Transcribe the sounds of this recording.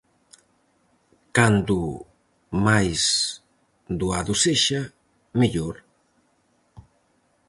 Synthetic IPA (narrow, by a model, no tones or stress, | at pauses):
kand̪u | majz | d̪uaðuseʃa | miʎoɾ